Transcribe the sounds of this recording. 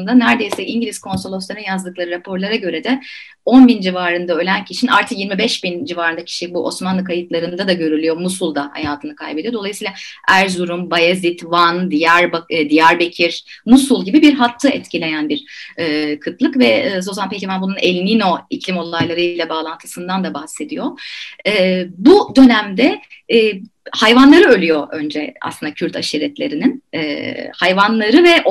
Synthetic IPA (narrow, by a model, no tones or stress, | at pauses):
nd̪anæɾd̪e̞jsɛʔiɲɟilʲiz̥kʰo̞nsolˠo̞sˠaɾɯnjazd̪ɯklˠaɾɯɾepʰo̞ɾlˠaɾaɟø̞ɾɛd̪ɛ | o̞nbind͡ʒivaːɾɯnd̪aø̞lʲæncʰiʃinʔa̰ɾt̪ʰɯkjiɾmibɛʃbind͡ʒivaːɾɯnd̪acʰi̥ʃibuʔo̞̰smanlˠɯkʰajɯt̪lˠaɾɯnd̪ad̪aɟø̞ɾylʲyjo̞musulˠd̪aha̰jaːt̪ʰɯnɯkʰajbe̞d̪ijod̪o̞lˠajɯsiːlˠaæɾzuɾumbajazit̪vand̪ijæɾbad̪ijæɾbe̞cʰiɾmusulˠɟibibiɾɦat̪ʰːɯɛt̪cilʲe̞jænbiɾɛːkʰɯt̪lˠɯkvɛːzo̞zanpʰecivanbununɛlʲnino̞iclʲimo̞lˠajlˠaɾɯjlʲˠabaːlˠant̪ʰɯ̥sɯnd̪and̪abahse̞d̪ijo̞ɛːbud̪ø̞næmd̪ɛː | hajvanlˠaɾɯø̞lʲyjoʔø̞nd͡ʒɛa̰slɯnd̪acʰyɾt̪ʰaʃiɾɛt̪lʲe̞ɾininɛːhajvanlˠaɾɯvɛʔ